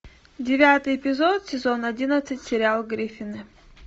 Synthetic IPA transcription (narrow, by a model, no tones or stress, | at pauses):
dʲɪvʲat̪ɨjɪpʲɪzot̪sʲɪzonɐdʲinɐt̪sɨtʲsʲɪɾʲɪalˠɡɾʲifʲɪnɨ